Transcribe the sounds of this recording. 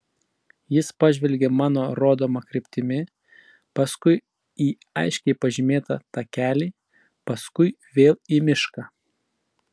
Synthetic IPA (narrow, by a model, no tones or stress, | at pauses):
jɪspɑːʒʲʋʲɛlʲɡʲeːmɑːnoːɾoːd̪oːmɐkɾʲɪpʲt̪ʲɪmʲɪ | pɐskʊɪ | iː | ɐ̰ɪʃʲkʲɛɪpɐʒʲɪmʲeːt̪ɐ̰t̪ɑːkʲæːlʲiː | pɐskʊɪ | ʋʲeːlˠimʲɪʃkɐ